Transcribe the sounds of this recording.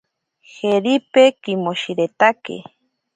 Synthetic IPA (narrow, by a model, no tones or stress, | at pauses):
xeɾipekimoʃiɾet̪akḛ